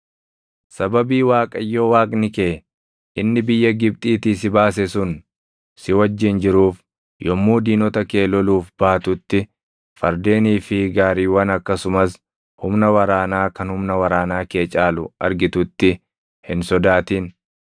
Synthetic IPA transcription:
sɐbɐbiːwaːkʼɐjːoːwaːkʼnɪkeː | ʔɪnːɪbɪjːɐɡɪb̚t̪ʼiːt̪isɪbaːs̬ɛsʊn | sɪwɐd͡ʒːɪnd͡ʒɪɾuːf | jɔmːuːd̪iːnɔt̪ɐke̞ːlɔluːfb̥aːt̪ʊt̪ːɪ | fɐɾd̪e̞ːniːfɪɡaːɾiːwɐnɐkːɐsʊmɐs | hʊmnɐwɐɾaːnaːkɐnhʊmnɐwɐɾaːnaːke̞ːt͡ʃʼaːlʊɐɾɡɪt̪ʊt̪ːɪ | hɪnsɔd̪aːt̪iːn

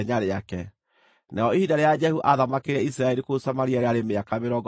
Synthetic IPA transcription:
ɲaɾeakɛ | naɔehidaɾead͡ʒɛhuʔaðamakeɾɛisiɾaɛɾikosamaɾiaɾeaɾemeakameɾɔɡ

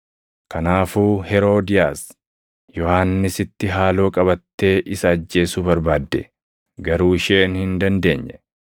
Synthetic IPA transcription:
kɐnaːfuːhɛɾo̞ːd̪ɪjaːs | jɔhaːnːɪsɪt̪ːɪɦaːlo̞ːkʼɐbɐt̪ːe̞ːʔɪsɐːd͡ʒːe̞ːsubɐɾbaːd̪ːɛ̰ | ɡɐɾuːɪʃeːnhɪnd̪ɐnd̪e̞̰ːɲːɛ̥

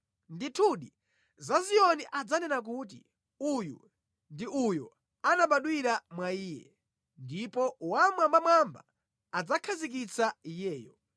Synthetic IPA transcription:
nditʰuɗi | zazijɔniʔad͡zanɛnak̬ut̬ḭ | ujṵ | ndiujṵ | anaɓaɗwiɾamwaiːjɛ̰ | ndipɔwamwambamwamba̰ː | d͡zakʰazik̬it͡saijɛːjɔ

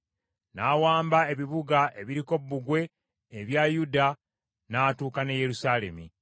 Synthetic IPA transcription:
naːwaːmbae̞βiβuɡaʔe̞βiɾiko̞βbːuɡwe̞ː | βjajuda | naːtuːkaneje̞ɾusaːle̞̰mi

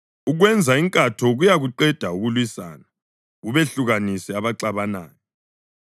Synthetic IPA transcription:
uɣwɛnd͡zʱaiŋkʼatʰɔɣujaɣuǃɛd̥ʱauɣulwisa̰ːna | ɣuβeɬuɣanisiaβaǀaβana̰ːjɔ

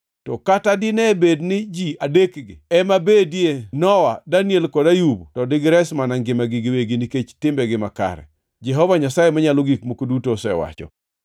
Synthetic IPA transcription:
tɔkatadɪnɛbednɪd͡ʒiadekɡɪ̰ɛmabedjenɔwadanjelkɔdajubtɔdɪɡɾɛsmanaŋɡɪmaɡɪɡɪweɡiniket͡ʃtɪmbɛɡɪma̰ka̰ɾɛ̰ | d͡ʒɛɦɔvaɲasajemaɲaloɡikmokodutosɛ̰wa̰t͡ʃɔ̰

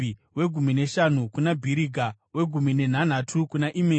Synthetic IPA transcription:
we̞ɡʱumine̞ʃan̤ukunabʱiɾiɡʱa | we̞ɡʱumine̞n̤an̤atʰukunaʔime

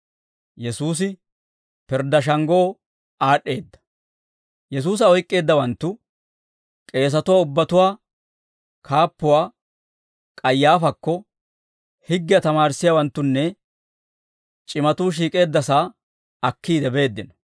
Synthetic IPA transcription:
jɛsuːs̬ɪ | pɪɾd̪ːɐʃ̬ɐŋɡo̞ː | aːɗːe̞ːd̪ːɐ̥ | jɛs̬uːs̬ɐɔjkʼːe̞ːd̪ːɐwɐnt̪ːʊ | kʼe̞ːs̬ɐt̪ʊwaːʊbːɐt̪ʊwaː | kʰaːpːʊwaː | kʼɐjːaːfɐkːɔ | hɪɡːɪjɐt̪ɐmaːɾsːɪjawɐnt̪ːʊnːɛ | t͡ʃʼɪmɐt̪uːʃ̬iːkʼe̞ːd̪ːɐsaː | ɐkːiːd̪ɛbe̞ːd̪ːɪnɐ

